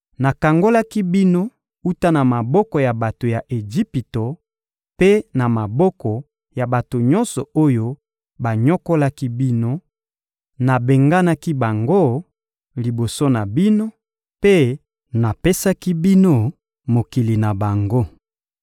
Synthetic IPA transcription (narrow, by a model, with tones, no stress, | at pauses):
na˨ka˨ŋɡo˦la˦ki˦bi˦no˦ | u˦ta˦na˨ma˨bɔ˦kɔ˨ja˨ba˨to˨ja˨ʔe˨d͡ʒi˦pi˨to˨ | pe˦na˨ma˨bɔ˦kɔ˨ | ja˨ba˨to˨ɲɔ˦nsɔ˨o˦jo˦ | ba˨ɲɔ˦ko˦la˦ki˦bi˦no˦ | na˨be˨ŋɡa˦na˦ki˦ba˨ŋɡo˦ | li˨bo˨so˦na˨bi˦no˦ | pe˦ | na˨pe˦sa˦ki˦bi˦no˦ | mo˨ki˨li˨na˨ba˨ŋɡo˦